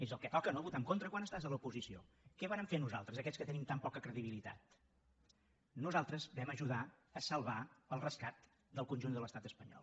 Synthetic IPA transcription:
ezəlˠkət̪ɔkənoβut̪amkont̪ɾəkwanəst̪azələupuzisio̰ | kɛβaɾəɱfenuza̰lˠt̪ɾəzəkɛt͡sskət̪ənimt̪ampɔkəkɾəðiβ̞ilit̪a̰t̪ | nuzalˠt̪ɾəzbɛməʒuðaəsəlˠβaəlˠrəskat̪ | d̪əlˠkunʲʒund̪ələst̪at̪əspəɲɔ̰lˠ

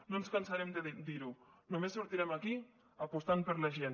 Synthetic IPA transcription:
nonskansaɾɛmd̪əd̪iɾunumesːuɾt̪iɾɛmaki | apust̪anpəɾlaʒen

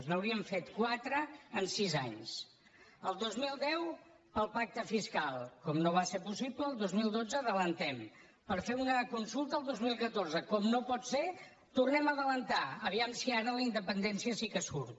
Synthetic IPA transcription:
znəwɾiəɱfet̪kwat̪ɾəːnsizaɲs | əlˠd̪ozmilˠd̪ɛw | pəlˠpak̚t̪əfiskalˠkɔmnoβaseɾpusipləːlˠd̪ozmilˠd̪od͡zəðələnt̪ɛm | pəɾfeunəkunsulˠt̪əːlˠd̪ozmilˠkət̪orzəkɔmnopɔt̪se | t̪urnɛməðələnt̪aəβ̞iamsiaɾələind̪əpənd̪ɛnsiəsikəsuɾt̪̚

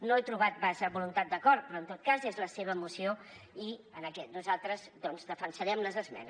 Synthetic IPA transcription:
noɛt̪ɾuβ̞at̪̚bazəβulunt̪at̪̚d̪əkɔɾt̪̚pɾɔənt̪ot̪̚kazezləseβ̞əːmusioiənəkɛt̪̚nuzalˠt̪ɾəzd̪ɔnzdəfənsəɾɛmləzəzmɛ̰nə

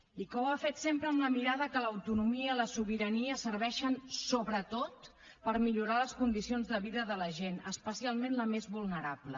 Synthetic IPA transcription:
ikɔwafet̪sempɾəːmləmiɾaðəkələwt̪unumiəiləsuβiɾəniəsəɾβɛʃənsoβɾət̪ot̪̚ | pəɾmiʎuɾaləskund̪isionzðəβiðəðələʒenəspəsialˠmẽnləmezβulˠnəɾablə̰

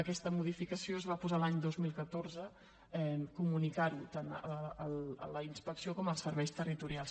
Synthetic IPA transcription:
əkɛst̪əmuð̞ifikəsioəzβapuzalaɲd̪ozmilˠkət̪orzə | ɛmkumunikaɾit̪anələ̰ləinspəksiokɔməlˠsəɾβɛjst̪ərit̪uɾialˠ

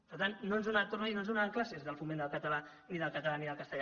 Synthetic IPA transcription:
pəɾt̪anːonzðonat̪ornainonzðonaəŋklasezðəlˠfumend̪əlˠkət̪əla | niðəlˠkət̪əlaniðəlˠkəst̪əʎ

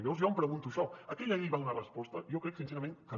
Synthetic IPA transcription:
mewzjɔmpɾəɣunt̪uʃɔəkɛʎaiβaunərəspɔst̪ɐijokɾɛksinseɾɐmẽnkə

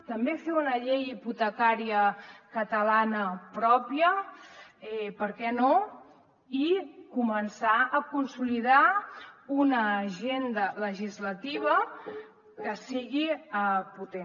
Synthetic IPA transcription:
t̪əmbefeunəʎejiput̪əkaɾiəkət̪əlanəpɾɔpiə | ɛpəɾkɛno | ikumənsaəkunsuliða | unəʒend̪ələʒizlət̪iβ̞ə | kəsiɣiəput̪e

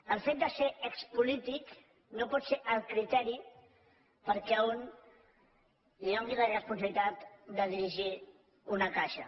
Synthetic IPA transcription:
əlˠfet̪̚d̪əseəkspulit̪ik | nopɔt̪seʔəlˠkɾit̪ɛɾi | pəɾkɛun | liɔŋɡilərəspunsəβlit̪at̪d̪əðiɾiʒi | unəkaʃə

